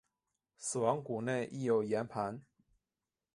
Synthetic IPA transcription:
sɹ̩˨˩wɑ˧˦ŋku˨˩ne˥˧ɪʔi˥˩jo˨˩ʊjɛ˧˥npʰa˧˦n

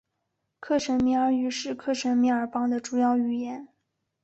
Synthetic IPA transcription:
kʰɤ˥˩ʂə˧˥nmi˧˥ə˞˧˥y˧˥ʂɻ̩˥˧kʰɤ˥˩ʂə˧˥nmi˧˥ə˞˧˥pɑ˥ŋd̪ə˨ʈ͡ʂu˨˩jɑ˥˧ʊy˥˩jɛ˧˥n

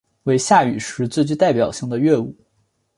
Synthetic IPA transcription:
we˥˧ɪɕja˥˩y˨˩ʂɻ̩˧˥t͡sɹ̩˥˧t͡ɕy˥˧t̪a˥˩ɪp̬jɑ˨˩ʊɕi˥˩ŋd̪ə˩ɥɛ˥˧u˥˩

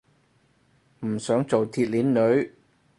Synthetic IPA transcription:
m̩˨˩sœː˨˥ŋt͡so˨wt̪ʰiː˧t̚liː˨˥nːɵ˨˥ɥ

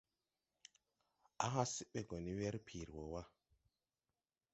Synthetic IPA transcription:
a˦ɦa˦si˦ɓe˨ɡo˨ni˦we˦ɾpʰi˨ɾwo˨wa˦

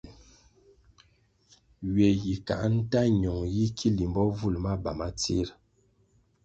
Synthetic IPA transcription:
ɥe˨ji˨ka̰˨ʔn̩˦ta˦ɲɔ˨ŋji˦kʰi˦li˨mbɔ˦vu˦˨lma˦ba˨ma˦t͡sḭ˦ɾ

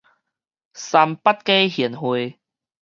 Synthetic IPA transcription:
sa˧mpa˦˥t̚ke˦hi˨˩ənhwe˧

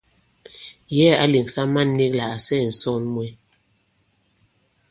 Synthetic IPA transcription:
jɛ˦a˦li˨ŋsa˦ma˦˨nː˦i˦kla˨ʔa˨sɛ˦˨n̩˨sɔ˦˨nmwɛ˨˦

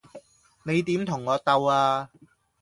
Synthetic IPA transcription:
ne˨˧jt̪iː˨˥mt̪ʰʊ˨˩ŋːɔː˨˧t̪ɐ˧waː˧

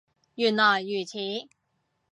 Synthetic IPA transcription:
jy˨˩nlɔː˨˩jːyː˨˩t͡sʰiː˨˥

